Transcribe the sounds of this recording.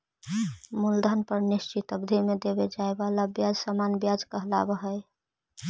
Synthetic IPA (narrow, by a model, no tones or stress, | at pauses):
muld̪ʱənpəɾnist͡ʃit̪əbd̪ʱimed̪ebed͡ʒaebalabjad͡ʒsamanbjad͡ʒkəɦla̰bəɦəj